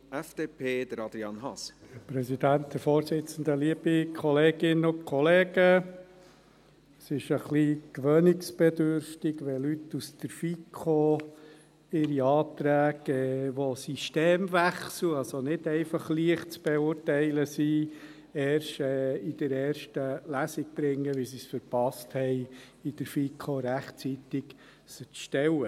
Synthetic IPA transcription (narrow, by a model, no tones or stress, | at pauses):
ʔɛfd̥eːpʰeːd̥̪əɾɑd̪ɾiɑnɦɑspɾɛsid̪ænt̪̚d̪əfɔːɾsɪt͡sən̩d̪əliəbikʰɔleːɡɪnəʊnkʰɔleːɡ̥ə | sɪʃəχlikʋœnɪksb̥ɛd̪øɾftɪɡʋɛlytːusd̥̪əɾfikʰχo | ɪɾiɑːt̪ɾæːɡɛʋosiʃteːmʋæχsl̩ɑlsonɪd̪ɛɪfɑχliəχtt͡sb̥ɛʊːrtɛɪləsi | ɛːɾʃɛid̥əɾɛːɾʃtəlæsɪk̚b̥ɾɪŋːəʋisisfəɾpɑsthɛɪ | id̥̪əɾfikʰoɾæχtt͡sit̪ɪk | sət͡sʃtɛwə